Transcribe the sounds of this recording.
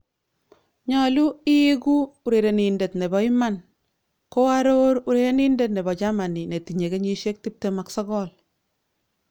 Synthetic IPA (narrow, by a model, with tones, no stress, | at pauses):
ɲa˨lu˦i˦ku˦u˨ɾe˨ɾe˨ni˨nde˨tne˨bɔ˨i˦ma˦n | ko˦a˦ɾo˦ɾu˨ɾe˨ɾe˦ni˦nde˦tnɛ˨bɔ˨t͡ʃa˦ma˨ni˨ne˨ti˨ɲe˨ke˦ɲi˦ʃe˦k̚ti˦p̚te˨ma˨ksɔ˦ɡɔ˦l